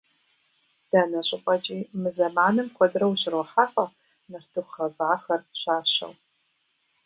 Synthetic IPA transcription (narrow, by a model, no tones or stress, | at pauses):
d̥aːnɐɕʼɪqʷʼɐt͡ʃʼiːmɨzɐmaːnɨmkʷʰɔdrɐwɕʼɪroħaːfʼɐ | nɐrtʰɨχɐvʕaxɐrɕaːɕɐ̰w